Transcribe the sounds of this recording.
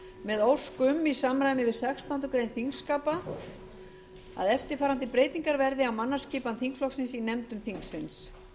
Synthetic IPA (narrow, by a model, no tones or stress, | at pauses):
mɛðowskʏmːisamɾaːjmɪvɪsɛxst̪ant̪ʏkɾejnθiŋkskaːpa | a̰ðɛft̪ɪɾ̥faːɾant̪ɪpɾeːjt̪iŋkaɾvɛɾðɪawmanːasciːpanθiŋkflɔksɪnsinɛmt̪ʏmθiŋksɪns